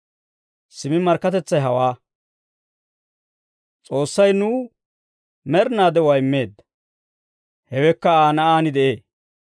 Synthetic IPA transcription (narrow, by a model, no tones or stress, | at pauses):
sɪmɪmɐɾkːɐt̪ɛt͡sːɐjɦɐwaː | t͡sʼo̞ːsːɐjnuː | mɛɾnaːd̪ɛwajɪmːe̞ːd̪ːɐ | hɛwɛkːɐaːnɐʔaːnɪd̪ɛʔe̞ː